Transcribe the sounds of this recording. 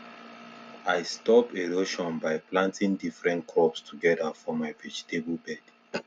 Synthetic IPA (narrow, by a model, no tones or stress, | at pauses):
aɪstɔpeɹoʃɔ̃nbaɪplãntĩŋdifɹɛ̃ntkʰɔpstʰuɡɛdafɔmaɪvɛd͡ʒitebulbɛd̥